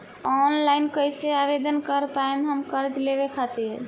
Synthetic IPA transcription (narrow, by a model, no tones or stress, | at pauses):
ɔnlajnkəjseaβed̪ənkəɾpaemɦəmkəɾd͡ʒlebekʰat̪iɾɾ